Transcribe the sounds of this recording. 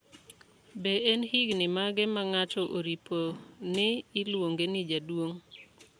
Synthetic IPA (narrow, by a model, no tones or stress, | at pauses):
beenhiɡnɪmaɡɛmaŋatɔʔoɾipʰonɪːlwoŋɡenɪd͡ʒadwoŋ